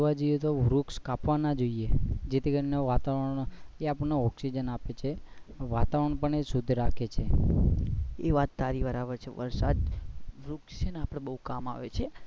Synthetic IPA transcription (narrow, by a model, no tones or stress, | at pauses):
ʋad͡ʒoijet̪oʋɾukskapʋanad͡ʒoied͡ʒet̪ʰikəɾineʋat̪aʋəɾəɳeapəɳnoɔksid͡ʒənapet͡ʃʰeʋat̪aʋəɾəɳpəɳesud̪ʱɾakʰet͡ʃʰe | eʋat̪ːaɾiʋaɾaʋəɾt͡ʃʰeʋə̰ɾsa̰d̪ʋɾukst͡ʃeneapɽ̃ebəɦũkama̰ʋet͡ʃʰe